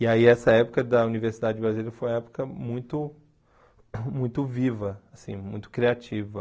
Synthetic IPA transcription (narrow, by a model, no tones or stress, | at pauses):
ɪaiɛsɐɛpʊkɐd̪ɐuniveɾsid̪ad͡ʒɪd͡ʒɪbɾazileɾɐfojmɐɛpʊ̥kɐmũj̃t̪ʊ | mũj̃t̪ʊvivɐasḭ̃mũj̃t̪ʊ̥kɾiat͡ʃivɐ